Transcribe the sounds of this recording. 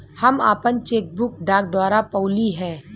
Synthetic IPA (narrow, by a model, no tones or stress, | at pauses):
hɐmaːpənt͡ʃeːk̚bʊk̚ɖaːk̚d̪waːɾapɔːliɦɛ̃ː